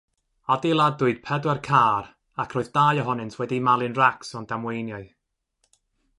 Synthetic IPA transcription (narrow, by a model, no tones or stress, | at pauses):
adɪlˠadʊɨd̥̚pʰɛdwɛrkʰaːr | akʰroːɨðdaːjɔɦɔnɨntʰwɛdimalˠɨnraksɔnd̥amwejnjɔɨ